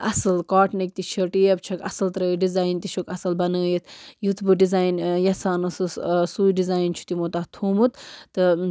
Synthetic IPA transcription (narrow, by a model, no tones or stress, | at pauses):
ɐsɨlkaːʈnɐk̚t̪it͡ʃʰɐʈijebt͡ʃʰɐkɐ̰sɨlt̪ɐɾɐɖizaːjnt̪iʃʰokɐsɨlbɐnəːjet̪ʰjut̪ʰbɨɖizaːjnjɐsaːnɨsɨssuːjɖizaːjnt͡ʃʰu̥t̪imot̪aːt̪ʰuːmut̪t̪ɨ